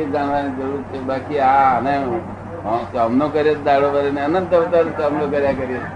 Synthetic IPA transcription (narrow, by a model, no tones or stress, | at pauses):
id͡ʒaɳ̃ʋanid͡ʒəɾuɾt͡ʃʰebakiaəne | əsəmnokəɾjet̪d̪aɽoʋəɾeneənənt̪əʋət̪ənsəmlokəɾjakəɾje